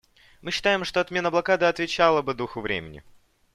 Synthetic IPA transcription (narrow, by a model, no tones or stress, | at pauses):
mɨɕːɪ̥t̪ajɪmʂt̪o̞ɐt̪mʲe̞nəblˠɐkad̪ɨɐt̪vʲɪt͡ɕalˠəbɨd̪uxʊvɾʲḛmʲɪnʲɪ̰